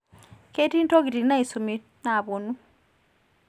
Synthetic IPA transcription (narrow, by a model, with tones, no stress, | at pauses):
ke˦ti˦n˦to˦ɡi˨ti˨na˦i˨su˨mi˨ | na˨βo˨nu˦